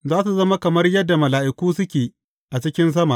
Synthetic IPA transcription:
zaː˦su˨zɐ˦ma˦kɐ˨mɐ˦rjɐ˦dːa˨mɐ˨laː˨ʔɪ˨kʷuː˦sʊ˦kʲeː˨ | ʔa˨t͡ʃɪ˦kʲɪ˦ns̬ɐ˦ma˨ʔ

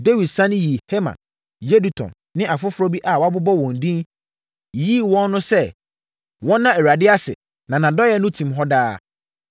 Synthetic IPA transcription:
de˦wi˨dsã˦nɪ̃˦ji˨he˦mã̰˨n | je˦du˨tʰɔ̰̃˨nːɪ̃˦ʔa˨fʊ˦fʊ˦ɾɔ˦bi˦ʔa˨wɔ˨˦a˦bʊ˦bɔ˦wɔ̃˨n˨dĩ˦n | ji˦˨wɔ̃˦nː˦ʊ̃˦sɛ˦ | wɔ̃˦nːã˦ɛ˨ɾa˨dɪ˦a˦sɪ̰˨ | nã˨nã˨dɔ˦jɛ˦nʊ̃˦tʰĩ˨mɦɔ˦daː˦

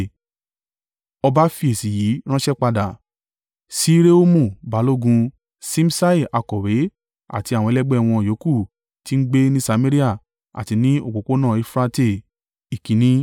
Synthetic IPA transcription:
ɔ˧ba˦fi˧˦e˨si˨ji˨˦ɾ̃ã˦ʃɛ˦k͡pa˧da˨ | si˦ɾe˦o˦mũ˦˨ba˨˦lo˦ɡũ˧ | sĩ˦m̩˦sa˦i˨ʔa˧kɔ˨ɾe˨˦ | a̰˦˨ti˧ã˨ɔ̃˧ɛ˧lɛ˦ɡ͡bɛ˦˧˨w̃ɔ̃˧˨jo˨˦ku˦˨ | ti˦n̩˦ɡ͡be˦nĩ˦sa˧mẽ˦ɾi˦a˦˨ | a̰˨ti˧nĩ˦o˨ko˨˦ko˦nãː˦˨i˨˦fɾa˧te˦˨ | i˨kĩ˨˦nĩ˦

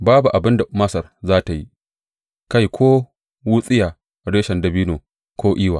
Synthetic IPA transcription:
baː˦bu˨ʔa˨bɪ˦nda˨mɐ˦sɐ˨rzaː˦ta˨jḭ˦ | ka˦jkʰʷoː˦ | wʊ˦sʼɪ˦jaː˨ | ɽeː˦ʃɐ˨ndɐ˨biː˦noː˨ | kʷoː˦ʔiː˦waː˨

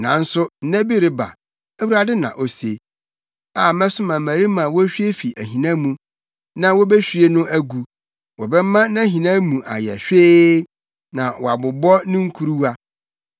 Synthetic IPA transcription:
nã̰˨n̩˦sʊ˦n̩˦næ̃˦bi˦ɾɪ˨ba̰˨ | æ˦wu˦ɾa˨dɪ˦nã̰˨ʔo˨˦se˨ | a˨mɛ̃˦sʊ˦mã˨mæ̃˨ɾi˦mã˨wɔ˦ɕᶣɥe˦fi˨ʔæ˨ɦĩ˨nã˦mũ˨ | nã˨wɔ˦bɛ˦ɕᶣi˨˦e˦nʊ̃˦ʔæ˦ɡu˨ | wɔ˨bɛ˦mã˦nã˦ɦĩ˨nã˦mũ˨ʔa̰˨jɛ̰˨ɕᶣeː˦ | nã˨wɔ˨a˨bʊ˨bɔ˦nɪ̃˦ŋ̩˦kʰu˦ɾu˦a˦

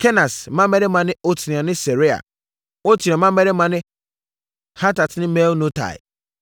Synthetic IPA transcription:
kʰɛ˦na˨smã˦mɛ˦ɾɪ˦mã˨nɪ̃˦o˦tʰi˨ni˨ã˨nɪ̃˦se˨ɾi˦a̰˨ | o˦tʰi˨ã˨mã˦mɛ˦ɾɪ˦mã˨nɪ̃˦ | ha˦ta˨tnɪ̃˦me˦wnõ˦tʰa̰˨ɪ̰˨

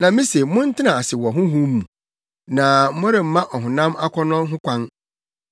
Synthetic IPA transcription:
nã˨mĩ˦se˨mʊ̃˦n̩˦tʰɪ˦nã˨a˨sɪ˨wɔ˨ɦʊ̃˦ɦũ˦mũ˨ | nã˨˦mʊ̃˦ɾɪ˨m̩˨mã˦ʔɔ˨ɦʊ̃˨nã˦ma˦kʰɔ˦nʊ̃˦ɦʊ̃˦kʷʰã˦n

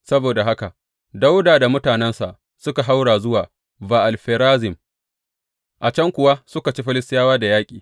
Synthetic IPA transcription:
sɐ˦boː˨da˨ɦa˦ka˨ | da˦wdaː˨da˨mʊ˦taː˨nɛ˦nsa̰˨ʔ | sʊ˦ka˨ɦa˦wɽaː˨zʊ˦waː˨ | baː˨ʔa˨lɸeː˨ɾaː˦zɪ˨m | ʔa˨t͡ʃɐ˦ŋkʷʊ˨wa˦sʊ˦ka˨t͡ʃiː˦ɸɪ˦lɪ˦stɪ˦jaː˦waː˦da˨jaː˦kʲʼiː˨

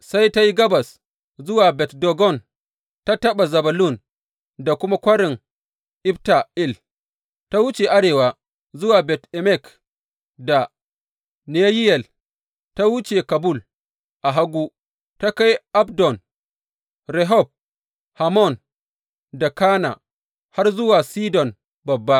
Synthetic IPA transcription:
sa˦jta˦ji˦ɡɐ˦ba˨s | zʊ˦waː˨bɛ˨tdɔ˨ɡɔ˦˨n | ta˦tɐ˦ɓa˨zɐ˨ba˨lu˦˨n | da˨kʷʊ˦ma˦kʷɐ˦ɾɪ˨ŋ | ʔi˦bta˨i˦l | ta˦wu˦t͡ʃe˨ʔa˦ɽeː˨wa˨ | zʊ˦waː˨bɛ˨tɛ˨mɛ˦˨k | da˨ | ne˦ji˦jɛ˨l | ta˦wu˦t͡ʃe˨ka˨bu˦˨l | ʔa˨ɦa˦ɡʷu˦ | ta˦ka˦jʔa˦bdɔ˨n | ɾɛ˨ɦɔ˦˨b̚ | ha˨mɔ˦˨n | da˨ka˦na̰˨ | ha˦rzʊ˦waː˨siː˦dɔ˨n | bɐ˨bːa˦

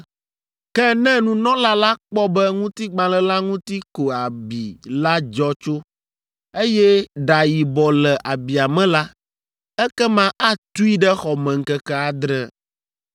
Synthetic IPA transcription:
kɛ˦nɛ̃˦nũ˦nɔ̃˦la˦la˦k͡pɔ˦bɛ˦ŋũ˦t̪i˦ɡ͡bã˨lɛ˦la˦ŋũ˦t̪i˦ko˨a˨bi˨la˦d͡ʒɔ˦t͡ʃo˦ | e˦jɛ˦ɖa˨ji˨bɔ˨lɛ˨ʔa˨bi˨a˨mɛ̃˦la˦ | ɛ˦kɛ˦mã˦ʔa˦t̪u˦i˦ɖɛ˦xɔ˨mɛ̃˨ŋ̩˨kɛ˦kɛ˦a˨d̪ɾɛ˦

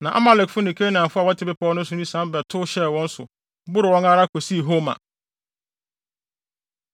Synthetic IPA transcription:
nã˨ʔa̰˦ma˦lɛ˨kfʊ˦nɪ̃˨kʰe˦nã˨fʊ˦a˨wɔ˦tʰɪ˨˦bɪ˦pɔː˦nʊ̃˦sʊ̃˨nĩ˦sã˦m˦bɛ˨tʰʊ˦ɕɛ˦˨wɔ̃˦n̩˦sʊ̰˨˦ | bʊ˦ɾɪ˨wɔ̃˦ŋa˦ɾa˦kʰo˨si˦˨ɦo˦mã̰˨

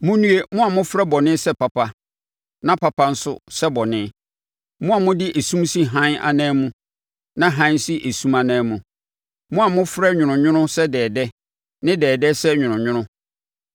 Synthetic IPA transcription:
mʊ̃˦nũ˦e˦˨mʊ̃˦a˨mʊ̃˦fɾɛ˦bɔ˨nɪ̃˦sɛ˦pʰa˨pʰa˨ | nã˦pʰa˨pʰa˦n̩˦sʊ̰˦˨sɛ˦bɔ˨nɪ̃ː˦ | mʊ̃˦a˨mʊ̃˦dɪ˦ʔe˨sũ˦msi˦ɦã˦na̰˨nɛ̃ː˦mũ˦ | nã˦ɦã˦si˦ʔe˨sũ˦ma˨nãː˦mũ˨ | mʊ̃˦a˨mʊ̃˦fɾɛ˦ɲᶣʊ̃˨nʊ̃˨ɲʊ̃˦nʊ̃˦sɛ˦dɛː˨dɛ˦ | nɪ̃˦dɛː˨dɛ˦sɛ˦ɲᶣʊ̃˨nʊ̃˨ɲʊ̃˦nʊ̃˦

